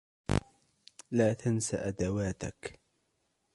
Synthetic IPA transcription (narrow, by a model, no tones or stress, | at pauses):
laːt̪ʰansa̰ʔad̪awaːt̪a̰k